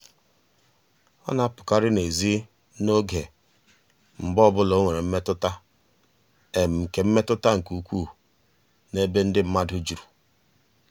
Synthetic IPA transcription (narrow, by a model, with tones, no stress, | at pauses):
ɔ̰˦na˨a˦pʊ̥˨ka˦ɾɪ˦ne˨zi˦ | no˦ɡe˨ | m̩˨bɔ˦˨bʊ˦lɔ˨˦o˦ŋʷe˨ɾe˨m̩˦me˦tʊ˦ta˦ | e˨m̩˨m̩˨ke˨m̩˦me˦tʊ˦ta˦ŋ̩˨ku˨kʷuː˦˨ | ne˦be˦n̩˦dɪ˦m̩˦ma˦dʊ˦d͡ʒu˨ɾu̥˨